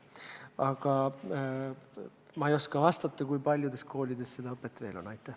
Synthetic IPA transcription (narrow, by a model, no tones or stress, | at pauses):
ɑɡ̥ɑ | mɑejo̞skɑvɑst̪ɑt̪ˑːɑkujpɑlʲjud̪e̞skʰo̞ːlʲid̪̥e̞sse̞d̪ɑɤpːˑe̞t̪ːˑve̞̰ːlo̞nɑjt̪ːˑæh